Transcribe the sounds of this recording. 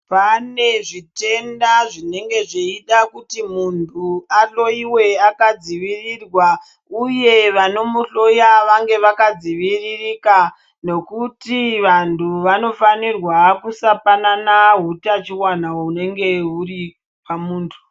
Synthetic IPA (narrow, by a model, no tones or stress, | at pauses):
pane̞ʐite̞ndaʐine̞ŋɡe̞ʐeiɗakutimuntʰuaɬo̞iwe̞akad͡ziʋirirwa | uje̞ʋano̞muɬo̞jaʋaŋɡe̞ʋakad͡ziʋiririka | ne̞kutiʋantʰuʋano̞fanirwakusapananaɦutat͡ʃiwanaoune̞ŋɡe̞uri | pamuːntʰu̥